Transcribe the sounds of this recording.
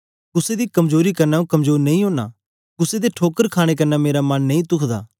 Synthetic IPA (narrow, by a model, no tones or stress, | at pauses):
kʊsed̪ikɐmzoːɾikɐɾnaːũkɐmzoːɾnɐ̃ĩɦõːna̰ | kʊsed̪eʈʰoːkəɾkʰaːɽ̃ek̬ɐnːameːɾamɐnːɐĩt̪ʊkʰd̪a̰ː